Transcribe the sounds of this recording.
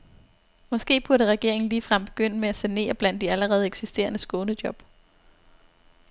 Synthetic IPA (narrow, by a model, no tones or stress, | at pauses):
mɒ̽sɡ̥e̝̰ːb̥uɐɾəʁɛɡ̥e̝ɐe̝ŋn̩liːfʁɑ̈m̰b̥e̝ɡ̥øn̰əmeæsæne̝̰ːɐb̥læn̰d̥ːiæləʁɛːð̞̩ˠeɡ̥sisd̥e̝̰ːɐnəsɡ̥ɔ̽ːnəd̥jɒ̽b̥